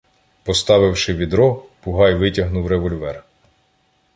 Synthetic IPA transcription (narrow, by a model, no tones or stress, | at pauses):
pɔst̪ɑʋɪwʃɪʋʲid̪ɾɔpʊɦɑjʋɪtʲɐɦnuwɾeʋɔlʲʋɛr